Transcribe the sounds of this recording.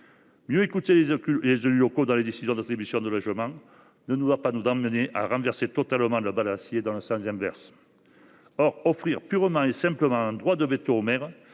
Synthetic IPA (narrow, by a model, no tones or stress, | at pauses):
mjøekut̪elezalylɔkod̪ɑ̃led̪esizjɔ̃d̪at̪χibysjɔ̃d̪əlɔʒəmɑ̃ | nənud̪wapanuzɑ̃məneʔa̰ʁɑ̃vɛʁset̪ɔt̪aləmɑ̃ləbalasjed̪ɑ̃ləsɑ̃sɛ̃vɛ̰ʁs | ɔʁɔfχiʁpyʁəmɑ̃esɛ̃mpləmɑ̃ɛ̃nd̪ʁwad̪əvet̪oːmɛʁ